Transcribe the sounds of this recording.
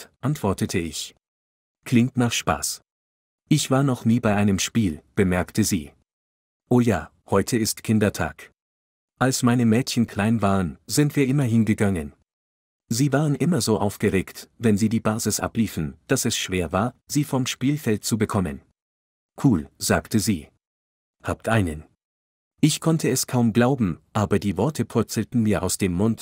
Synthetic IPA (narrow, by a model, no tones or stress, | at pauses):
ʔantv̥ɔɐtətʰəɪç | kʰl̥ɪŋtnaχʃpa̰ːs | ʔɪçv̥aːɐnɔχniːbaɪʔaɪnəmʃpiːlb̥əmɛɐktʰəzḭː | ʔoːja̰ː | hɔʏtʰəɪstkʰɪndɐtʰa̰ːk | ʔalsmaɪnəmɛːtçən̩kʰl̥aɪnvaːʁənzɪntv̥iːɐʔɪmɐɦɪnɡəɡaŋən | ziːvaːʁənʔɪmɐzoːʔaʊfɡ̥əʁeːktvɛnziːdiːbaːzɪsʔa̰pliːfn̩d̥asɛsʃv̥eːɐvaːɐziːfɔmʃpiːlfɛlt̚t͡subəkʰɔmə̰n | kʰuːlzaːktʰəziː | haːp̚tʰʔaɪnən | ʔɪçkʰɔntʰəɛskʰaʊmɡlaʊbm̩ʔaːbɐdiːvɔɐtʰəpʰʊɐt͡sl̩tn̩miːɐʔa̰ʊsd̥eːmːʊnt